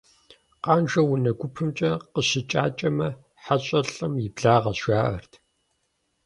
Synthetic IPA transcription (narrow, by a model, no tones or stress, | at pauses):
qaːnʒɐwʊnɐɡʷʊpʰɨmt͡ʃʼɐqəɕɪt͡ʃʼaːt͡ʃʼɐmɐ | ħaɕʼɐɬɐmjɪbɮaːʁɐʃaːʔɐ̰rtʰ